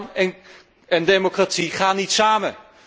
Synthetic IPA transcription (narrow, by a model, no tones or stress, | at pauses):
n | əndemokratiχaːnːitsaːmə